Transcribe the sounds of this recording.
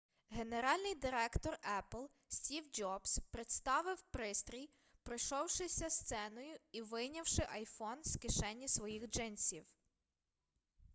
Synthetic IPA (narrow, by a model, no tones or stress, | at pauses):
ɦe̞ne̞ɾɑlʲnɪjd̪ɪɾɛkt̪ɔrɛplˠ | sʲtʲiwd͡ʒɔbspɾɪt̪st̪ɑʋɪwpɾɪst̪ɾʲij | pɾɪʃɔwʃɪsʲɐst̪sɛnɔjʊiʋɪjnʲɐwʃɪʔɐjfɔnskɪʃɛnʲːisʋɔjixd͡ʒɪnʲsʲiw